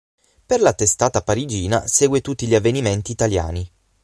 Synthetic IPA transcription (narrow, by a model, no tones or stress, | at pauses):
perlat̪ːest̪aːt̪apaɾid͡ʒiːna̰seːɡwet̪ut̪ːiʎiavːeniment̪iːt̪alja̰ːni